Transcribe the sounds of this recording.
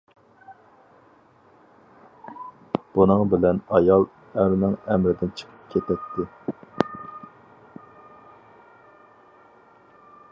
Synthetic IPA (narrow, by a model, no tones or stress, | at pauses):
b̥unɨŋbɪlɛnɑjɑlˠ | æɾnɪŋɛmɾɪd̪ɪnt͡ʃʰə̥qʰə̥p̚kʲʰet̪ʰɛt̪ʰːɪ